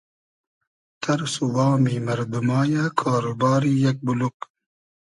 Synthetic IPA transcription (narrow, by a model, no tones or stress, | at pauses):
t̪ɐɾsuwɑːmiːmɐɾd̪umaːjakʰaːɾubaːɾiːjɐk̚buluk